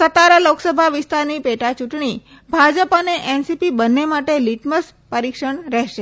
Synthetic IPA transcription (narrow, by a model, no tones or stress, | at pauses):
sət̪aɾəloksəbʱaʋɪst̪aɾnipeʈat͡ʃuʈɳ̃i | bʱad͡ʒəpəneʔensipibənːemaʈeliʈməs | pəɾikʃəɳɾɛɦʃe